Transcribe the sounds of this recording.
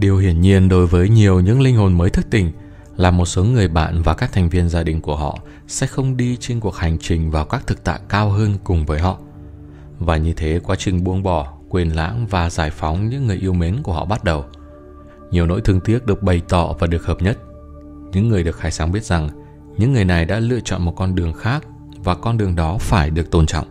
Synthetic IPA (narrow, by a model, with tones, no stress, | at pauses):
ɗi˨˩əwhi˧˩ənɲi˧ənɗo˨˦jvəː˨˦jɲi˨˩əwɲɨ̰˧˥ŋlï˧ŋ̟ɦo˨˩nməː˨˦jt̪ʰɨ˦˥k̚t̪ï˨˩ŋ̟ | laː˨˩mo˨˩t̚so˨˦ŋɨ˨˩əjɓa̰ː˧˨nvaː˨˩kaː˦˥k̚t̪ʰɛ˨˩ŋ̟vi˧ənzaː˧ɗï˨˩ŋ̟ku˧˩əɦɔ̰˧˨ | sɛ̰˧˥xə˧wŋ͡mɗi˧t͡ɕe˧nku˨˩ək̚ha˨˩jŋ̟t͡ɕï˨˩ŋ̟vaː˨˩wkaː˦˥k̚t̪ʰɨ˨˩k̚t̪a̰ː˧˨jkaː˧wɦəː˧nkʊ˨˩ŋ͡mvəː˨˦jɦɔ̰˧˨ | vaː˨˩ɲɨ˧t̪ʰe˨˦kwaː˨˦t͡ɕï˨˩ŋ̟ɓu˧əŋɓɔ˧˩kwi˨˩ənla̰ː˧˥ŋvaː˨˩zaː˧˩jfɔ˨˦wŋ͡mɲɨ̰˧˥ŋːɨ˨˩əjʔi˧əwme˨˦nku˧˩əhɔ̰˧˨ɓa˦˥t̚ɗə˨˩w | ɲi˨˩əwno̰˧˥jt̪ʰɨ˧əŋt̪i˦˥ət̚ɗɨ˨˩ək̚ɓə˨˩jt̪ɔ̰˧˨vaː˨˩ɗɨ˨˩ək̚həː˨˩p̚ɲə˦˥t̚ | ɲɨ̰˧˥ŋːɨ˨˩əjɗɨ˨˩ək̚xaː˧˩jsaː˨˦ŋɓi˦˥ət̚z̥a˨˩ŋ | ɲɨ̰˧˥ŋːɨ˨˩əjna˨˩jɗa̰ː˧˥lɨ̰˧ət͡ɕɔ̰˧˨nmo˨˩t̚kɔ˧nɗɨ˨˩əŋxaː˦˥k̚ | vaː˨˩kɔ˧nɗɨ˨˩əŋɗɔ˨˦faː˧˩jɗɨ˨˩ək̚t̪o˧˩nt͡ɕɔ̰˧˨ŋ͡mʔ